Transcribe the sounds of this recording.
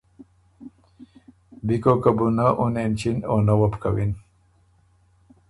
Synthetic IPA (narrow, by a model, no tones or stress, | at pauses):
bikokəbunaʔunent͡ɕinonawəpkawin